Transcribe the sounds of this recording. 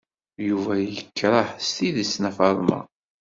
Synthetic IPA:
juvæjəkːɾˤəħst̪iðisnæfɑɾˤmɑ̰

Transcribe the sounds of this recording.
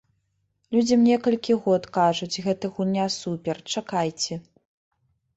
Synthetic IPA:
lʲud͡zʲimnʲɛkɐlʲkʲiɣɔt̪kaʐut͡sʲɣɛt̪ɨɣunʲasupʲɛrt͡ʂakajt͡sʲɛ

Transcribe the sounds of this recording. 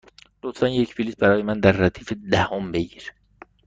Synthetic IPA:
lot̪fænje̞cpiliːs̚bæɾɒːjemænd̪æɾːæt̪ʰiːfed̪æhombe̞ɟiːɾe

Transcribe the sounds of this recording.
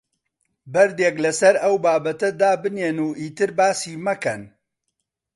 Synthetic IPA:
bɐɾd̪eːklɐsɐɾɐwbaːbɐt̪ɐd̪aːbɨneːnuːʔiːt̪ɨɾbaːsiːmɐkɐn

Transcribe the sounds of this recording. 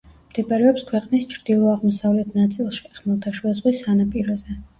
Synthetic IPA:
md̪̥ɛpʼaɾɛɔpskʰwɛqʼnist͡ʃʰɾd̪̥ilˠɔaʁmɔsavlɛt̪ʰnat̪sʼilˠʃi̥χmɔlˠt̪ʰaʃwɛzʁwisanapʼiɾɔzɛ

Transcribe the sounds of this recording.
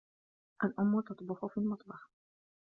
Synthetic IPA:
ʔalʔʊmːʊt̪ɑt̪ˤbɑħʊfiːlmɑt̪ˤbɑħ

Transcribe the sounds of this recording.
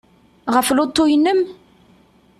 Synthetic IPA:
ʁəflot̪ːuinəm

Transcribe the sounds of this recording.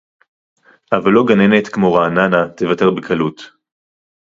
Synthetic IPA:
ʔavalːo̞ɡanene̞tkmo̞ʁaːnanatevate̞ʁbekʰalut

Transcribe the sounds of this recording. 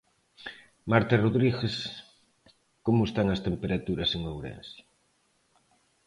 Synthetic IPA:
maɾt̪aroðɾiɣes | komʊest̪aŋɐst̪empeɾat̪uɾɐseŋowɾḛnsja

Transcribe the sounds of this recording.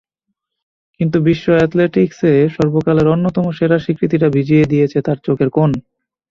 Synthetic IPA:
kint̪ubiʃːoɛt̪leʈikseʃɔɾbokaleɾonːot̪ɔmoʃeɾaʃikɾit̪iʈabʱid͡ʑied̪ijet͡ɕʰet̪aɾt͡ɕokʰeɾkon

